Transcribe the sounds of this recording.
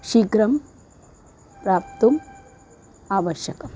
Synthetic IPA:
ʃikɾɐm | pɾaːp̚t̪um | aːʋɐʃjɐkɐm

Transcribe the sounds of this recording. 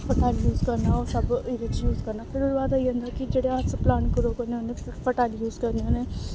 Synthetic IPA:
fɐʈaːljuːzkɐɾnaɔːɾsɐbɪɾet͡ʃjuːzkɐɾnapʰɪɾʊɾʋaːd̪aiə̃nd̪akid͡ʒeːɽeaːd̪seplaːɳkoɾokoneonẽfʰɐʈaːljuːzkɐɾneɦonẽ

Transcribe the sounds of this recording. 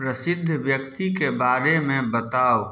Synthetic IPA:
pɾəsɪd̪ʱːʋjəkt̪ikebaːɾemẽbɐt̪aːo

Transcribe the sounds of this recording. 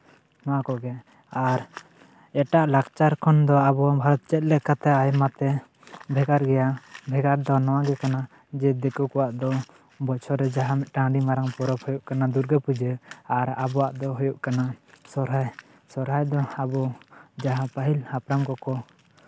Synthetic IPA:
nɔwakɔɡɛ | aɾ | ɛʈaʔlaɡt͡ʃaɾkʰɔnd̪ɔabɔwabʱaɾɔt̪̚t͡ʃɛt̪̚lɛkat̪ɛajmat̪ɛ | bʱɛɡaɾɡɛjabʱɛɡaɾd̪ɔnɔwaɡɛkana | d͡ʒɛd̪ɛkukɔwaʔd̪ɔ | bɔt͡ʃʰɔɾɛd͡ʒaɦamɛʈãɖimaɾaŋpɔɾɔphujuʔkanad̪uɾɡəpud͡ʒəaɾabɔwaʔd̪ɔɦujuʔkanasɔɾɦaj | sɔɾɦajd̪ɔabɔd͡ʒaɦãpaɦilhapɾamkɔkɔ

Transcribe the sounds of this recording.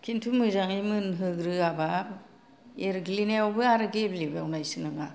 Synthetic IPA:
kʰintʰumɯzaŋimɯnɦɯɡɾɯaba | eɾɡilinajobɯaɾɯɡeblibawnajsɯnɯŋa

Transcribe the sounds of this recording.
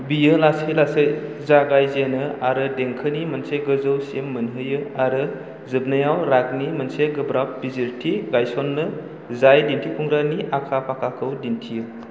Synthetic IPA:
bijɯlasilasej | zaɡajzenɯaɾɯdeŋkʰɯnimɐnseɡɯzɯwsemːɯnɦɯjɯaɾɯ | zɯb̚najawɾaɡ̚nimɐnseɡɯbɾap̚biziɾtʰiɡajsɔnːɯ | zajdintʰikʰuŋɾaniakʰapʰakʰakʰɯwdintʰijɯ

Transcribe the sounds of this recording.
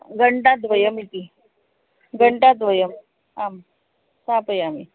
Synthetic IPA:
ɡʱəɳʈat̪ʋəjəmit̪iː | ɡʱəɳʈat̪ʋəjəm | am | sapəjamḭ

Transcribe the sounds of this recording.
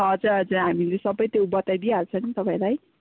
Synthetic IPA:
ɦʌd͡zʌd͡zaɦamilesʌbʌjt̪jowbʌt̪ajd̪iaɾut͡sʰʌnit̪ʌpãĩlaj

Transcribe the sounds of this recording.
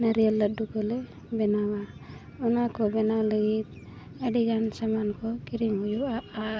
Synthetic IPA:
naɾijalːat̪̚dukɔlɛ | bɛnawa | unakɔbɛnawləɡit̪̚ | aɖiɡansamankɔkiɾiŋɦujuaʔa

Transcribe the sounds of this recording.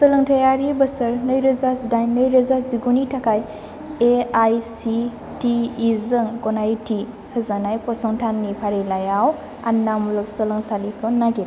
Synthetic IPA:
sɯlɯŋtʰajaɾibəsɯɾnɯjɾɯzasdajnːɯjɾəzasziɡunitʰakʰaj | eajsi | tiːzɯŋɡɔnajti | hɯzanajpɔsɔŋtʰanːipʰaɾelajaw | a̰nːamulɯk̚sɯlɯŋsalikʰɯnːaɡil

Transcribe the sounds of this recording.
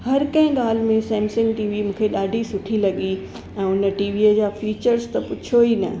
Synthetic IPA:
hɐɾkɐ̃ɦɪ̃ɠaːl̤mẽsɛːmsɪ̃ŋɡʈiːʋimũːkʰeɗaːɖʱisʊʈʰilɐɠi | ɛ̃ːʊnə̆ʈiːʋiːəd͡ʑaːfiːt͡ɕəɾst̪ɐpʊt͡ɕʰoiːnɐ̰

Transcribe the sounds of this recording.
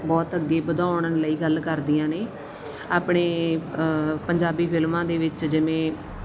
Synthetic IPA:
bɔːt̪əɡːeːbəd̪aːʊɳələiːɡəlkəɾd̪iːãːneː | aːpɳeː | pəɲd͡ʒaːbiːpʰɪlmãːd̪eːʋɪt͡ʃd͡ʒɪʋẽː

